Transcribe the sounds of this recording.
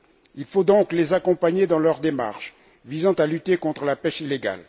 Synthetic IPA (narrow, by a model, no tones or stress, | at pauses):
ilfod̪ɔ̃klezakɔ̃paɲed̪ɑ̃lœʁd̪ema̰ʁʃ | vizɑ̃t̪alyt̪ekɔ̃t̪χəlapɛʃileɡa̰l